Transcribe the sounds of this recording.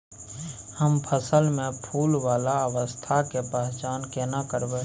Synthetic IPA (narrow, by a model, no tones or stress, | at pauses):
həmpʰəsəlmẽpʰuːlwaːlaəʋəst̪ʰakepaɦt͡ʃaːnkenakəɾbe